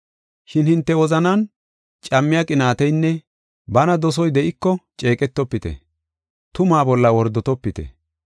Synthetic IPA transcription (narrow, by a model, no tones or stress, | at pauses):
ʃɪnhɪnt̪ːɛwɔzɐnɐn | t͡ʃʼɐmːɪjakʼɪnaːt̪ɛjnːɛ | bɐnɐd̪ɔs̬ɔjd̪ɛʔɪkːɔt͡ʃʼe̞ːkʼɛt̪ːɔpːɪt̪ɛ̰ | t̪ʊmaːbɔlːɐwɔɾd̪ɔt̪ɔpːɪt̪ɛ̰